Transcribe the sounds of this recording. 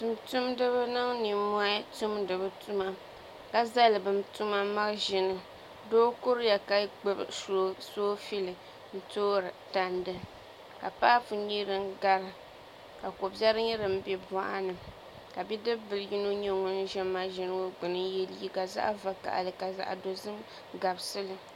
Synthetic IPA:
tu˨mtu˦mdɨ˦βɨ˦nɨ˦ŋni˨mɔ˦tu˦mdɨ˨bɨ˦tu˦ma˦ | ka˦za˦lɨ˨bɨ˨mtu˦ma˦ma˦ɾʒɪ˨nɨ˦ | doː˦ko˦ɾja˨ka˦ɡ͡bɨ˦bso˦soː˦fi˦lɨ˨ | n̩˦toː˦ɾɨ˨ta˨ndɨ˦ | ka˨paː˦fu˨ɲi˦ɾɨ˦ŋ˦ɡa˦ɾɨ˨ | ka˨ko˨bja˦ɾɨ˦ɲɛ˦ɾɨ˨m̩˦bɛ˦bɔ˦ʔa˦nɨ˨ | ka˨bi˦dɨ˦bɨ˨lɨ˦ji˦no˦ɲo˦ŋo˨n̩˦ʒɛ˦ma˦ʒɛ˦nɨ˦o˦ɡ͡bɨ˨nɨ˦jɛ˦li˦i˦ka˨za̰˦ʔva˨ka̰˨ʔa̰˨lɨ˨ka˨za̰˨ʔdo˨zɨ˦m | ɡa˨bsɨ˦lɨ˨

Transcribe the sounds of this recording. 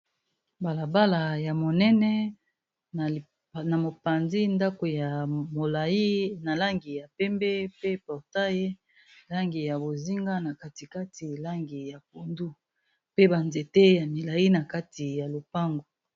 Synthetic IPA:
ba˨la˨ba˦la˨ja˨mo˨nɛ˦nɛ˦˨ | na˨mo˨pa˨nzi˦nda˦ko˨ja˨mo˨la˨i˦na˨la˦ŋɡi˨ja˨pɛ˦mbe˦pe˦pɔ˨ʁta˦je˦ | la˦ŋɡi˨ja˨bo˨zi˦ŋɡa˦na˨ka˦ti˨ka˦ti˨la˦ŋɡi˨ja˨p̚o˨ndu˦ | pe˦ba˨nze˨te˦ja˨mi˨la˨ji˦na˨ka˦ti˨ja˨lo˨pa˦ŋɡo˨

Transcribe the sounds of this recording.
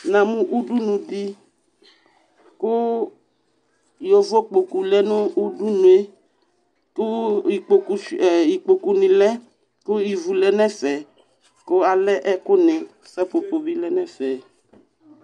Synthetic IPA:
nã˨mũ˦ʔu˦du˦nũ˨di˦ | kʊ˦ | jɔ˨vɔ˦k͡po˨ku˨lɛ˦nʊ̃˦u˦du˦nũ˨e˦ | kʊ˦i˨k͡po˨ku˦˨ji˨k͡po˨ku˨nɪ̃˨lɛ˦ | kʊ˦i˨vu˨lɛ˦nɛ̃˦fɛ˨ | kʊ˦a˨lɛ˦ʔɛ˦kʊ˦nɛ̃˨ | fɛ˦po˨po˨vi˦lɛ˦nɛ̃˦fɛ˨

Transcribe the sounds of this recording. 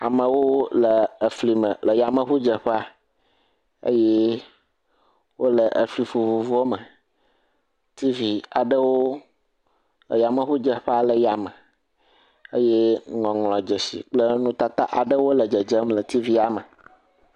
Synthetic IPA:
a˨mə̃˨wo˦lə˨ə˨fli˨mə˨lə˨ja˨mə˨ɸu˦d͡ʒə˨ɸə˦a˨ | ə̰˦je˦ | wo˦lə˨ʔə̰˨fli˨fu˨vu˨vu˦o˦mə˨ | t̪i˦vi˨a˨ɖə˦wo˦ | lə̰˨ja˨mə˨ɸu˦d͡ʒə˨ɸə˦a˨lə˨ja˨mə˨ | ə̰˦je˦ŋɔ̃˨ŋlɔ̃˨d͡ʒə˨sḭ˨k͡plə˦nũ˦t̪a˦t̪a̰˦ʔa˨ɖə˦wo˦lə˨d͡ʒə˨d͡ʒə˦mlə˨t̪i˦vi˦a˨mə˨

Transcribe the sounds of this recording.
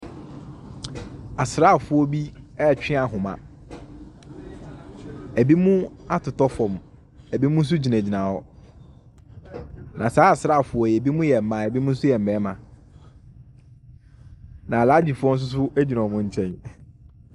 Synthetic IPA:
a˨sɾa˦˨fʊ˨˦ɔ˦bi˦ɛ˦˨t͡ɕᶣɪ̃˦a˨ɦʊ̃˨mã̰˨ | æ˨bi˦mũ˦a˦tʰʊ˨tɔ˦fɔ̃˨m | æ˨bi˦mũ˦n̩˦s̬ʊ˦d͡ʑi˨næ̃˨d͡ʑi˨nã˨ɔ˦ | nã˨saː˨˦a˨sɾa˦a˨fʊ˨ɔ˦˨jɛ˨bi˦mũ˦jɛ˨m̩˨mã˨ɛ˨bi˦mʊ̃˦n̩˦sʊ˦jɛ˨m̩˨ɛ˨˦mã˨ | nã˨la˦d͡ʑi˨fʊ˦ɔ̃˦n̩˦s̬ʊ˦s̬ʊ˦ʔæ˦d͡ʑi˨nã˨mʊ̃˦˨ɲ̩˦t͡ɕʰɛ̃˦n

